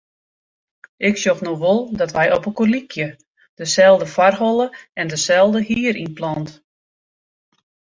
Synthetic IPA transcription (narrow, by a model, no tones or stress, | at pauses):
ʔɪksjoxnoʋolˠdɔtʋɛjɔpəkolikʰjə | d̥əsɛlˠdəfwarɦɔlˠəɛndəsɛlˠdəhiəɾinplˠɔnt